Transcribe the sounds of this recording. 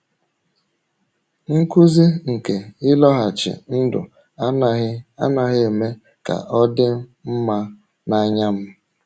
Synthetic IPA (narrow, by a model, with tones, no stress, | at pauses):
ŋ̩˦ku˦zi˦ŋ̩˨ke˨ɪ˦lɔ˦ɦa˨t͡ʃɪ̰˨n̩˦dʊ̰˨ | a˦a˦na˦ɣɪ˦e˨me˦ | ka̰˨ʔɔ˦dɪ˦m˦m̩˦ma˦ | na˦ɲa˦m̩˦